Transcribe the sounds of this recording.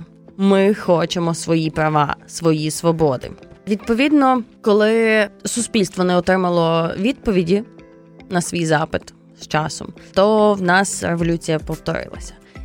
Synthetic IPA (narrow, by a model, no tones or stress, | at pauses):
mɪxɔt͡ʃemɔsʋɔjipɾɐʋɑ̰sʋɔjisʋɔbɔd̪ɪ̰ʋʲid̪̚pɔʋʲid̪nɔkɔlˠɪsʊspʲilʲst̪ʋɔnɛɔt̪ɾɪmɐlˠɔʋʲid̪̚pɔʋʲidʲi | nɐsʋʲijzɑpɪt̪ | st͡ʃɑsɔ̰mt̪ɔwnɑsreʋɔlʲut͡sʲijɐpɔwt̪ɔ̰ɾɪ̰lˠɐ̰sʲɐ̥